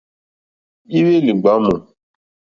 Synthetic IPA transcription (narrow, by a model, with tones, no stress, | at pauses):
i˦we˦li˨ɡ͡ba˨˦mɔ˨